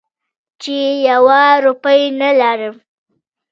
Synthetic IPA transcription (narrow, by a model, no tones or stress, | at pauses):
t͡ʃejawaɾupəjnalaɾəm